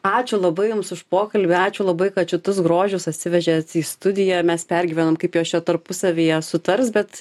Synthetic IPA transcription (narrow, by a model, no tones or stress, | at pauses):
ɑːt͡ʃʲʊlˠɐbɐɪjʊmsʊʃpoːkɐlʲbʲɪɑːt͡ʃʲʊlˠɐbɐɪkɐt̪t͡ʃʲɪt̪ʊsɡɾoːʒʲʊsɐt̪ʲsʲɪʋʲɛʒʲɛsiːst̪ʊd̪ʲɪjɛmʲɛspʲɛrʲɡʲɪʋʲɛnoːmkɐɪpjoːst͡ʃʲɛt̪ɐɾpʊsɐʋʲejɛsʊt̪ɐɾsbʲɛt̪